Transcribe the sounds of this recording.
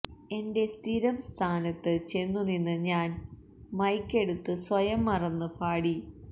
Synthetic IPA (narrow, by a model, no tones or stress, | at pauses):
e̞nde̞st̪ʰiɾɐmst̪ʰaːnɐt̪ːɨt͡ɕe̞nːuninːɨɲaːn | mɐjkːe̞ɽut̪ːɨsʋɐjɐmːɐrɐnːɨpʰaːɽi